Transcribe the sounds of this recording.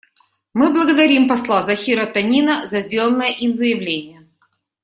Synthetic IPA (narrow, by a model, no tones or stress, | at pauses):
mɨblˠəɡəd̪ɐɾʲimpɐslˠazɐxʲiɾət̪ɐnʲinəzɐzʲdʲelˠənːəjəʔimzəjɪvlʲenʲɪjə